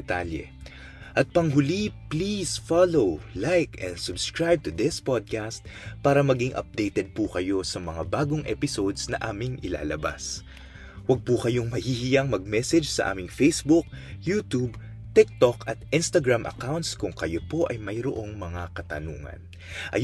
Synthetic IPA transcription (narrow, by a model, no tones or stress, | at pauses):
ɛt̪aljɛ̰ | ʔɐt̪̚pɐŋɦʊliplisfalowlajkɛ̰̃nsʊbskɹajb̚t̪ʊd̪ɪspod̪̚kast̪̚paːɾɐmɐɡɪŋʔɐ̰p̚d̪ejt̪ɛd̪̚pukɐjo̞sɐmɐŋabaːɡoŋʔɛ̰pɪso̞d̪snɐʔaːmɪŋʔɪla̰ːlɐba̰s | wɐɡ̚pukɐjo̞ŋmɐhiːhɪjaŋmɐɡ̚mɛsɛd͡ʒsɐ̰ʔa̰ːmɪŋfejsbʊk̚juːt̪ub | t̪ɪk̚t̪okɐt̪̚ʔɪnst̪ɐɡɹamʔɐ̰kawnt̪skʊŋkɐjopo̞ʔɐjmɐjɾo̰ʔo̞ŋmɐŋakɐt̪ɐnṵːŋɐ̰n | ʔɐ̰